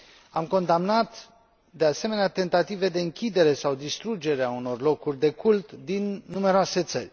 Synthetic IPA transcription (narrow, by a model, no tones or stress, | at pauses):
amko̞nd̪amnat̪ | d̪e̞ase̞me̞neat̪e̞nt̪at̪ive̞d̪e̞ɨŋkʲid̪e̞ɾe̞sawd̪ist̪ɾud͡ʒe̞ɾeauno̞rlo̞kurʲd̪e̞kult̪d̪inːume̞ɾoase̞t̪sərʲ